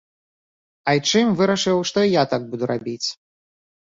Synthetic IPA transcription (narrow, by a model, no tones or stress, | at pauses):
ɐjt͡ʂɨmvɨɾɐʂɨwʂt̪ɔijat̪aɡ̚bud̪uɾabʲit͡sʲ